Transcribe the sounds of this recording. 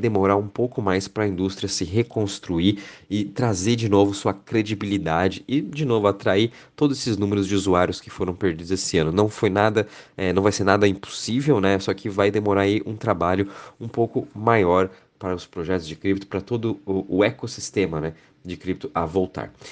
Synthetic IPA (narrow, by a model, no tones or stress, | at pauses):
ajd̪emoɾaũpowkʊmajspɾɐĩnd̪ust̪ɾʲiɐsɪɦekõst̪ɾuiɪt̪ɾazeɾd͡ʒɪnovʊsuɐkɾed͡ʒibilid̪ad͡ʒɪɪd͡ʒɪnovʊat̪ɾai | t̪od̪ʊzesɪznũmeɾʊzd͡ʒɪuzuaɾjʊskɪ̥foɾɐ̃w̃peɾd͡ʒid̪ʊzesɪɐ̃nʊnɐ̃w̃fojnad̪ɐɛnɐ̃w̃vajseɾnad̪ɐĩpo̥sivewnɛsɔkʰɪvajd̪emoɾaɾɐiʔũt̪ɾabaʎʊũpowkʊmajɔɾ | paɾɐʊspɾoʒɛt̪ʊzd͡ʒɪkɾip̚t̪ʊ̥pɾɐt̪od̪ʊʊːekosi̥st̪ẽmɐnɛ | d͡ʒɪkɾip̚t̪ʊʔɐvowt̪a̰ɾ